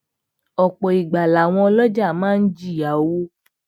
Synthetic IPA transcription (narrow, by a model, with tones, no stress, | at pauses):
ɔ˨k͡pɔ˨i˨ɡ͡ba˨la˨w̃ɔ̃˧ɔ˧lɔ˦d͡ʒa˦˨mãː˦n̩˦d͡ʒi˦˨a˨˦wo˦